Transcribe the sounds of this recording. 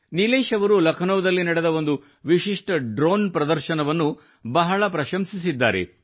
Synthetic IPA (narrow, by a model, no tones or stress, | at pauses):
nileːʃɐʋɐɾulɐkʰɐnoʋɐd̪ɐlːinɐɽed̪ɐo̞nd̪u | ʋiʃiʂʈɐɖɾoːnpɾɐd̪ɐɾʃɐnɐʋɐnːu | bɐɦɐɭɐpɾɐʃɐmsis̬id̪ːaːɾe̞̰